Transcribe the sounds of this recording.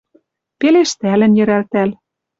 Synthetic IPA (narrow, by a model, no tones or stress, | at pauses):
peleʃt̪ælɘ̆njɘ̆ɾælt̪æl